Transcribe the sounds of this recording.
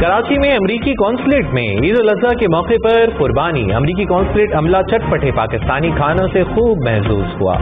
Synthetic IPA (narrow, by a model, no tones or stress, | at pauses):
kɐɾaːt͡ʃimẽɐmɾiːkikɔːnsleːʈmḛ̃iːd̪olɐzakemɔːqepɐɾqʊɾbaːnḭɐ̰mɾiːkikɔːnsleːʈɐmlat͡ʃɐʈ̚pɐʈʰepa̰ːkɪst̪aːnikʰaːnõsexuːbmɛɦsṵːzhṵa̰ː